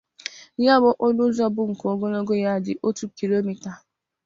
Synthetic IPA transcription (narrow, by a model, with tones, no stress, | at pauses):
ja˦bɔ˦ʔo˦nʊ˦zɔ˦bʊ˦ŋ̩˨ko˨˦ɡo˦no˦ɡo˦ja˦˨dɪ˨ʔo˦tu˦ki˨lo˦mi˨ta˨